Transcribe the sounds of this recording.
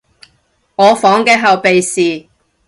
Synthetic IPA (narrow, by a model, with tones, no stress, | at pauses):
ŋɔː˨˧fɔː˨˥ŋkɛː˧˥ɦɐ˨wpe˨jsiː˨